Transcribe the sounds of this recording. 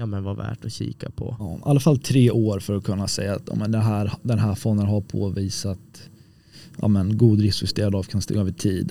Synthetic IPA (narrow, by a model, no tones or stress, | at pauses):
uːmɛnvavæ̰ːʈɔɕḭːkapʰɔ̰ɑːʔalːafalt̪ʰɾeːʔoːɾfœɾɔkʰɵnːasɛ̰jːaːt̪jɔ̰ːmɛnd̪ɛnɦæːɾd̪ɛnɦæːfɔnd̪ənɦapʰo̰ːviːsat̪ | ʔɑ̰ːmɛnɡuːd̪ɾɪsfɪst̪eːɾad̪ɑːvkʰanst̪ɛ̰ɡœːvəʈʰiːd̪